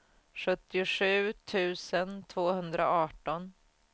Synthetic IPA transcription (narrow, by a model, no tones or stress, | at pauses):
ɧɵt̪ːɪʊʂʉ̟ːt̪ʰʉ̟ːsənt̪ʰvoːhɵnd̪ɾaɑːʈɔn